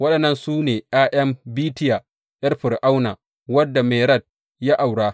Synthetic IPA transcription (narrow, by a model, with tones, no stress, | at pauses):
wɐ˦ɗɐ˨nːɐ˦nsuː˦neː˨ʔaː˦ʔɛ˦mbiː˦tɪ˦ja˨ | jɐ˦rɸɪ˨ɾʔa˦wnaː˨ | wɐ˦dːa˨me˨ɾɐ˦˨d̚ | ja˦ʔa˨wɽaː˦